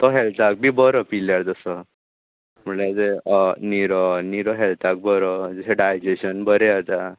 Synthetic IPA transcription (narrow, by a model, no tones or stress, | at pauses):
t̪ɔɦɛlt̪ak̚bʱiːbəɾɔpiljaɾd͡z̪əsə | m̤əɳlad͡zeniɾɔniɾɔɦɛlt̪ak̚bəɾɔd͡zeɕeɖajd͡ʑeɕənbəɾeat̪a